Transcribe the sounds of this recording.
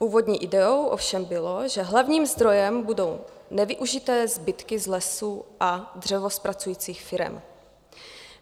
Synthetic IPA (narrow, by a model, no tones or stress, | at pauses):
puːvo̞dɲiːʔɪdɛo̞wʔo̰fʃɛmbɪlo̞ʒɛɦlavɲiːmzd̪ɾo̞jɛmbudo̞wnɛvɪʔuʒɪt̪ɛːzbɪt̪kɪzlɛsuːʔad̪r̝ɛvospɾat͡sujiːt͡siːxfɪɾɛ̰m